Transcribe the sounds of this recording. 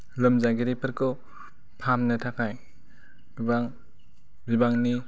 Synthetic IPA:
lɯmzaɡeɾipʰɯɾkʰɯw | pʰamnɯtʰakʰaj | baŋ | bibaŋni

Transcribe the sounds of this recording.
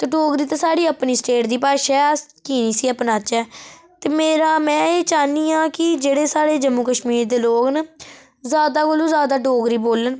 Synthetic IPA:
t̪eːɖoːɡɾiːt̪ãːsaːɽiːəpniːsʈeːʈd̪iːpaːʃɛːskiːniːsiːəpnaːt͡ʃɛːt̪eːmeːɾaːmɛ̃ːeːt͡ʃaːniːãːkɪd͡ʒeːɽeːsaːɽeːd͡ʒəmːuːkəʃmiːɾd̪eːloːɡn | zjaːd̪aːkoːlũːzjaːd̪aːɖoːɡɾiːboːlən

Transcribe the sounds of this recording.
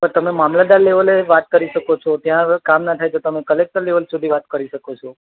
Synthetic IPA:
pəɾt̪əmemamlad̪aɾleʋəleʋat̪̚kəɾiʃəkot͡ʃʰɔt̪jãkamnat̪ʰajt͡ʃʰot̪əmekəlek̚ʈəɾleʋəlsud̪ʱiʋat̪kəɾiʃəkot͡ʃʰɔ

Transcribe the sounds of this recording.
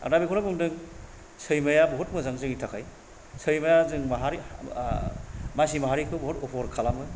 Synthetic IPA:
a̰k̚nabikʰɔnabɯŋdɯŋ | sɯjmajabɔɦɔt̚mɯzaŋzɯŋitʰakʰaj | sɯjmajazɯŋmaɦaɾi | majs̬imaɦaɾikʰɯwbɔɦɔtɔpʰɔɾkʰalamɯ

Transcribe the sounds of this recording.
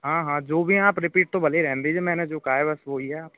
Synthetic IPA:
ɦãːɦãːd͡ʒoːbʱiaːpɾɪpiːʈ̚t̪õbəleɾɛ̃ɦnd̪ed͡ʒemɛ̃ːned͡ʒoːkaːebəsʋoiɦɛaːp

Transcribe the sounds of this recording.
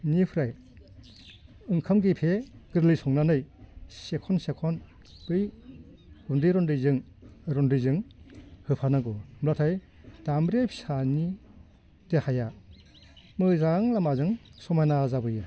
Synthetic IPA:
nipʰɾaj | ɯŋkʰamɡipʰeɡ̥ɯɾlijsɔŋnanɯjsekʰɔnsekʰɔn | bɯj | ɡ̥undiɾɔndɯjzɯŋ | ɾɔndɯjzɯŋhɯpʰanaɡɔmlatʰaj | tambɾejpʰi̥sani | tehaja | mɯzaŋlamazɯŋsɔmajnazabɯjɯ

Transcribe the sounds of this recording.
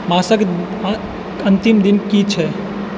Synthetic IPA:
maːsək | ə̃nt̪imd̪inkit͡ʃʰɛ

